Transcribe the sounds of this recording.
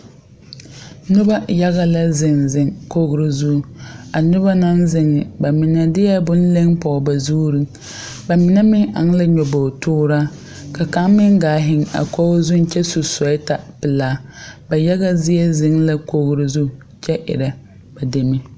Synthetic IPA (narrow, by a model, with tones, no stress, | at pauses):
nʊ˦ba˦ja˦ɣa˦la˦zɪ˨ŋzɪ˨ŋko˦ɣɾɪ˨zu˦˨a˨nʊ˦ba˦na˦nzɪ˦ŋːɪ˨ba˨mɪ˨na˦dɪ˦jɛ˦bʊ˦n̩˦le˦ŋpɔ˨ba˨zuː˦ɾi˦ | ba˨mɪ˨na˦mɪ˦ŋʔa̰˨ŋ˦la˦ɲɔ˨bo˨tʊː˦ɾaː˦ | ka˨ka˦mmɪ˦ŋɡaː˨ɦɪ˦ŋa̰˨kɔ˦ɣzʊ˦n˦t͡ʃɛ˦su˨sɔ˨˦ɪ˦ta˨pɪ˨laː˦ba˨ja˦ɣa˦zɪ˦ɛ˦zɪ˦ŋla˦ko˦ɣɾɪ˨zu˦˨ | t͡ʃɛ˦ʔɪ̰˨ɾa˨ | ba˨de˨mɪ˦